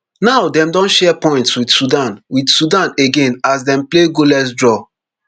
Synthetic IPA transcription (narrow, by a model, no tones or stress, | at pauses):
naʊdɛ̃mdɔ̃nʃɛpɔ̃ɪ̃ntswidsudãnwidsudãneɡẽnas̬dɛ̃mpleɡolɛs̬dɹɔ